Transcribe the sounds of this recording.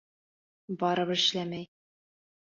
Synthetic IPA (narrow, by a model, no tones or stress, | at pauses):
bɒɾɤpɘ̆ʃlæmæj